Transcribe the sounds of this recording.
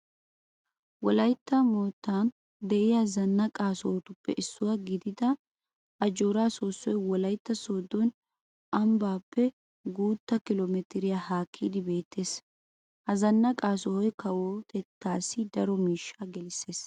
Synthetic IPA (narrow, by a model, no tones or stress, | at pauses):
wɔlɐjt̪ːɐmoːt̪ːaːn | d̪ɛʔɪjɐzɐnːɐkʼaːsɔhɔt̪ʊpːɛʔɪsːʊwaɡɪd̪ɪd̪ɐ | ʔɐd͡ʒoːɾaːsoːsːɔjwɔlɐjt̪ːɐsoːd̪ɔn | ʔɐmbaːpːɛ | ɡuːt̪ːɐkɪloːmɛt̪ɪɾɪjahaːkʰːiːd̪ɪbe̞ːt̪ːe̞ːs | hɐzɐnːɐkʼaːsɔhɔjkɐwoːt̪ʰɛt̪ːaːsːɪd̪ɐɾɔmiːʃːaːɡɛlɪsːe̞ːs